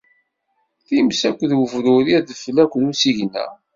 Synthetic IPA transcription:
θimsækʷːðwəvɾʊɾiðflækʷːðusiʝnːæ̰

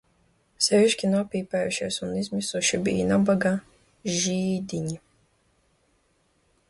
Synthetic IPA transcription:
sɛviʃkʲinuɔpiːpæːjuʃiɛsunizmisuʃibḭːnabaɡa | ʒiːd̪iɲi

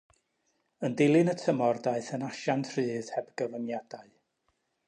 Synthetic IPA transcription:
əndɪlˠɨnətʰəmɔrdaɨθənaʃantʰr̥ɨːð̥hɛbɡəvənjadaɨ

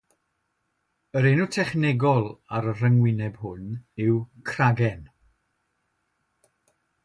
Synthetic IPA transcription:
əɾenutʰɛχnɛɡɔlˠaɾər̥əŋwɪnɛb̥hʊnɪwkʰraɡɛn

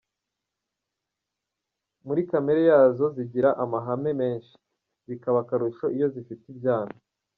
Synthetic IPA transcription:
muɾikame̞ɾejaːzo̞ziɟiɾaʔamaɦame̞me̞ːnʃi̥ | zikaβakaɾuʃo̞ʔijo̞zifitibjaːna

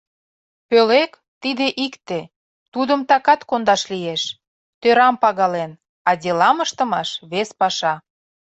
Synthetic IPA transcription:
pølek | t̪id̪eʔikt̪e | t̪ud̪əmt̪ɑkɑt̪kond̪ɑʃlijeʃ | t̪øɾɑmpɑɣɑlen | ɑdʲelɑməʃt̪ə̆mɑʃβespɑʃɑ

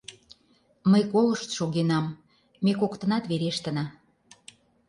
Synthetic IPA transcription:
məjkoləʃt̪ʃoɣenɑm | mekokt̪ə̆nɑt̪βeɾeʃt̪ə̆nɑ

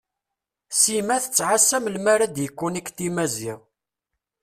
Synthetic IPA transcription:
simæθə̥t͡sːʕasːæmlmaɾad̪jəkʷːunikːt̪imæziʁ

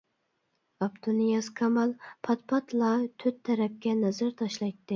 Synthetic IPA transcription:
ɑpt̪ʰunijɑskʰɑmɑlˠpʰɑt̪̚pʰɑt̪ʰlˠɑt̪ʰøt̪ʰːɛɾɛp̚kʲɛnɛzɨɾt̪ʰɑʃlˠɑjt̪ːɨ

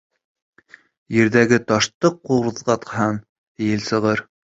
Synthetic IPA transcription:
jɘ̆ɾðæɡɘt̪ɑʃt̪ɤqːuɾðʁɑt̪hɑn | t̪ijɘlsɤ̆ʁɤɾ

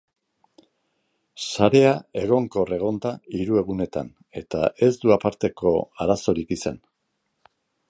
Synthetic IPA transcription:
saɾe̞ae̞ɣ̞o̞ŋko̞re̞ɣ̞o̞nt̪aiɾue̞ɣune̞t̪a̰n | e̞t̪a̰ʔe̞zd̪uapaɾt̪e̞ko̞aɾaso̞ɾikisa̰n

